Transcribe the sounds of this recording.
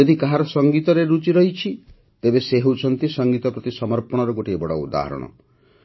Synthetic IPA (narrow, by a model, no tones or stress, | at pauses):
od̪ikaɦaɾɔsɔŋɡit̪ɔɾeɾut͡ʃiɾɔɦit͡ʃʰi | t̪ebeseɦewt͡ʃʰɔnt̪isɔŋɡit̪ɔpɾɔt̪isɔmɔɾpɔɽ̃ɔɾɔɡoʈiebɔɽɔṵd̪a̰ɦɔ̰ɾɔ̰ɽ̃ɔ̰